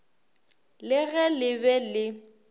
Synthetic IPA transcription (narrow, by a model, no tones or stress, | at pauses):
lɪɣɛlɪbɛlɪ